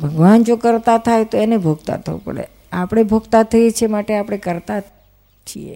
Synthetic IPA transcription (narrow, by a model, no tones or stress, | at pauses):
bʱəɡʋand͡ʒokəɾt̪at̪ʰajt̪oenebʱoɡt̪a̰t̪ʰə̰ʋṵ̃pə̰ɽḛ | apɽ̃ebʱoɡt̪at̪ʰəjet͡ʃʰemaʈeapɽ̃ekəɾt̪a | t͡ʃʰiḛ